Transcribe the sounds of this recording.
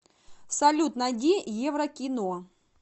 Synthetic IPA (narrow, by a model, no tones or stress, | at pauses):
sɐlʲut̪nɐdʲijevɾɐkʲino